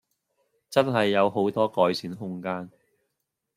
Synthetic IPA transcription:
t͡sɐ˥nɦɐ˨jːɐ˨˧wɦo˨˥wt̪ɔː˥kɔː˨˧jsʰiː˨˥nɦʊ˥ŋkaː˥n

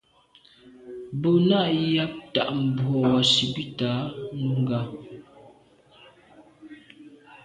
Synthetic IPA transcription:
bo˦˨na˦˨ja˦p̚ta̰˨ʔm̩˨bwɔ˨wa˨si˨bi˦taː˨˦nu˦ŋ˦ɡa˨

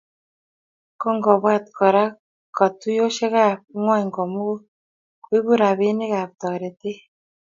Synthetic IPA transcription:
kɔ˦ŋɡɔ˨βwa˦tkʰɔ˨ɾa˦ | ka˨tu˦jo˦ʃe˦ka˦˨p̚ŋwɔ˦ɲ˨ŋɡɔ˨mu˦ko˦ | kwi˦βu˦ɾa˨βe˦ne˦ka˨p̚tɔ˨ɾe˨te˦

